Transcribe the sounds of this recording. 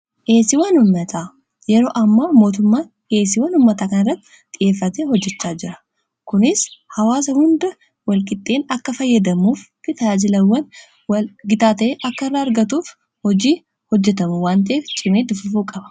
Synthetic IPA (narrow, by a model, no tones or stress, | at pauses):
ʔe̞ːsɪwɐnʊmːɐt̪ʰaː | jɛɾo̞ːʔɐmːaːmo̞ːt̪ʊmːaːn | ʔeːs̬ɪwɐnʊmːɐt̪aːkɐnɐrːɐt̪ːɪ̥ɪjʔe̞ːfːɐt̪eːhɔd͡ʒːɛt͡ʃːaːd͡ʒɪɾɐ̥ | kʊnɪshɐwaːs̬ɐhʊnd̪ɐ | wɐlkʼɪt̪ʼːe̞ːnɐkːɐfɐjːɐd̪ɐmuːfkɪt̪ɐjaːd͡ʒɪlɐwːɐn | wɐɡɪt̪aːt̪ɐʔeːʔɐkːɐɪrːaːɐɾɡɐt̪uːf | hɔd͡ʒiː | hɔd͡ʒːɛt̪ɐmuwaːnt̪̬ɐʔeːft͡ʃʼɪmeːd̪ʊfʊfuːkʼɐbɐ̥